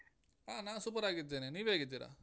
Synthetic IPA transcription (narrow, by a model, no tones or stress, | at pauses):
aːnaːsupəɾaːɡid̪eneniʋeɡid̪iɾa̰ː